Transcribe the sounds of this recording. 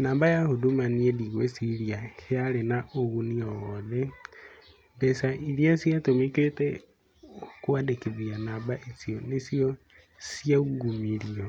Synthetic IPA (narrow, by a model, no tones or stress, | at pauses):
naːmbajahudumaniediɣwesiɾiahealenaʔoɣunioɣoðe | bɛsaʔiliasjatomikete | kwadekeβianaːmbaʔisionesio | siauɡumiɾio